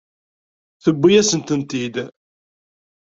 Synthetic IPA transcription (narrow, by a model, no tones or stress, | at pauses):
θəbːijæsənt̪ənt̪id̪